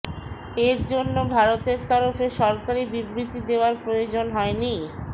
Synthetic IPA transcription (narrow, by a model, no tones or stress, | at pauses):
eɾd͡ʑonːobʱaɾot̪eɾt̪ɔɾofeʃɔɾkaɾibibɾit̪id̪eoaɾpɾojod͡ʑonɦɔeni